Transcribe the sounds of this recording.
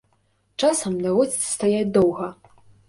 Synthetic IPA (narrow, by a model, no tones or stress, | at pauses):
t͡ʂasɐmd̪ɐvɔzʲi̥st̪ajad̪ɔwɣɐ